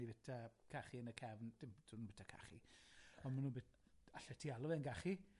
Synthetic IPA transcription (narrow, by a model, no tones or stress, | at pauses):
ivɛtʰakʰaχiənəkʰɛvnd̥ɪmdʰunuːbɛtʰakʰa̰χḭɔnmanuːnbɛ | aɬɛtʰialˠɔvɛnɡaχi